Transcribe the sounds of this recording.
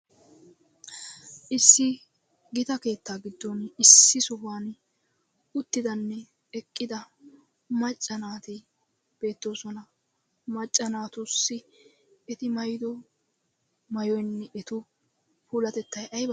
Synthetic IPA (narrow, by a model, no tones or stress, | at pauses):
ʔɪsːɪ | ɡɪt̪ɐke̞ːt̪ːaːɡɪd̪ːɔnɪsːɪsʊhaːn | ʊt̪ːɪd̪ɐnːɛ | ɛkʼːɪd̪ɐ | mɐt͡ʃʼːɐnaːt̪ɪ | b̥e̞ːt̪ːo̞ːsɔnɐ | mɐt͡ʃʼːɐnaːt̪ʊsːɪ | ɛt̪ɪmɐjd̪ɔ | mɐjɔjnːɛʔɛt̪ʊ | puːlɐt̪ɛt̪ːɐjɐjbɐ